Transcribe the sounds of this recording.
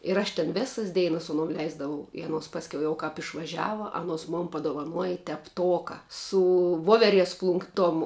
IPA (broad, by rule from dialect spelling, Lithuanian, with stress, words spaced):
ɪr ˈɐʃ tʲɛn ˈʋʲeːsɐs ˈdʲɛɪnɐs sʊ ɐˈnuɔm ˈlʲɛɪzdɐʋɐʊ ɪ ɐˈnuɔs pɐsʲˈkʲɛʊ jɛʊ kɑːp ɪʃʋɐˈʒʲæːʋɐ ɐˈnuɔs moːn pɐdoːʋɐˈnuɔjɪ tʲɛpˈtoːkɐ sʊ ˈʋoːʋʲɛˌrʲiɛs ˈplˠʊŋk ˈtoːm